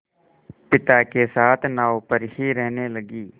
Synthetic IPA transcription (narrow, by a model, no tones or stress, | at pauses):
pɪt̪aːkesaːt̪ʰnaːopəɾhiːɾɛɦneləɡiː